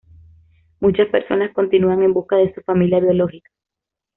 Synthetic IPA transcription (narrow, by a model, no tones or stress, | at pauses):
mut͡ʃaspe̞̰ɾso̞nasko̞nt̪inuaŋe̞mbuskaðe̞sufamiljaβjo̞lo̞hikḁ